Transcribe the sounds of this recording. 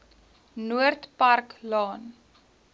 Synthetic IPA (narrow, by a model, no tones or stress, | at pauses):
nuərtpɐrklɑːn